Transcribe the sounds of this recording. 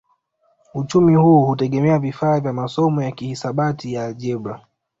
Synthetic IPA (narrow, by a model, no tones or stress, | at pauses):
ut͡ʃumihuːhutɛɠɛmɛavifaːvjamasɔmɔjakihisaɓatijalʄɛbɾa